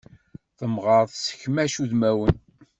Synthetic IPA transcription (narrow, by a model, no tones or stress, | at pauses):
θəmʁəˤðˤsə̥çmæʃuðmæwən